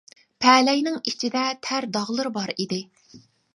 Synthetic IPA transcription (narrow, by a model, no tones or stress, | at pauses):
pʰɛːlɛjnɪŋit͡ʃʰid̪ɛt̪ʰæɾd̪ɑʁlˠɨɾbɑɾid̪ɪ